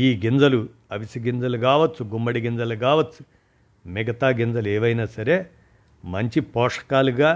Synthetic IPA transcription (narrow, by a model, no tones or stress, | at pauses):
iːɡind͡zɐlu | ɐʋisɐɡind͡zɐluɡaːʋɐt͡sːt͡sːuɡumbɐɽiɡind͡zɐluɡaːʋɐt͡sːu̥ | miɡɐt̪aːɡind͡zɐlueːʋɐjnaːsɐɾe̞ː | mɐɲt͡ʃipɔːʂɐ̥kaːluɡaː